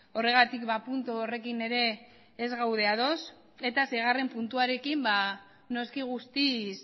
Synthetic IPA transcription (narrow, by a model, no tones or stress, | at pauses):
o̞re̞ɣ̞at̪ikbapunt̪uore̞kine̞ɾe̞ː | zɣawð̞e̞að̞o̞s | e̞t̪asejɣ̞are̞mpunt̪uaɾe̞kimba | no̞skiɣ̞ust̪is